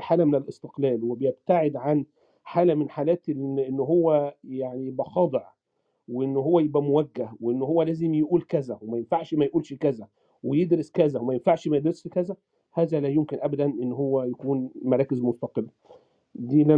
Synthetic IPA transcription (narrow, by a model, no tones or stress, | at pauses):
ħaːlæmenelʔest̪e̥qlæːlwebejeb̚t̪aʕed̪ʕan | ħaːlæmenħaːlæːt̪nʔenːɦowːæjaʕnijbʔæxɑːd̪ˤeʕ | weʔenːɦowːæjebʔæmowæɡːæhweʔenːhowːælæːzemjeʔuːlkæzæwemæjenfaʕʃmæjʔuːlʃkæzæ | wejed̪ɾeskæzæwmæjenfaʕʃmæjed̪ɾesʃkæzæ | hæːzælæjomkɪnʔæbæd̪ænʔenːɦowːæjækuːnmɑɾˤɑːkɪzmost̪ɑqelː | d̪iːlæ